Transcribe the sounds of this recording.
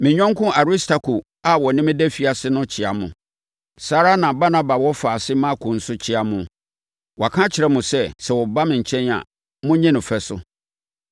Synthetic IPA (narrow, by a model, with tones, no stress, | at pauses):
mɪ̃˨ɲᶣɔ̃˦ŋ˦kʰʊ̃˦a˨ɾi˦stʰa˨kʰu˨ | a˨wɔ˨nɪ̃˦mɪ̃˦dɛ˦fi˨a˨sɪ˦nʊ̃˦t͡ɕʰɪ˨a˨mʊ̰̃˨ | saː˨˦ɾa˦nã˨ba˦nã˦ba˨wɔ˦faː˨sɪ˦mã˦kʰʊ̃˨n̩˦sʊ˦t͡ɕʰɪ˦a˨mʊ̃˨ | wɔ˨a˨kʰã˦t͡ɕʰɪ˨ɾɛ˦mʊ̃˨sɛ˦sɛ˨wɔ˨ba˦mɪ̃˨ɲ̩˨t͡ɕʰɛ̃˦n˦a̰˨ | mʊ̃˦ɲĩ˦nʊ̃˨fɛ˨sʊ̰˨